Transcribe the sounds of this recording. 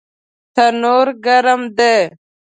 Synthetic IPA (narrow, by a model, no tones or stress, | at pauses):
t̪ʰənoːɾɡəɾəmd̪eː